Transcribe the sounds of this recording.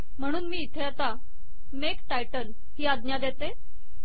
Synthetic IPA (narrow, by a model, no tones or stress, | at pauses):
m̤əɽ̃uːnmiːt̪ʰeat̪a | mekʈajʈən | hiːad̪njad̪et̪e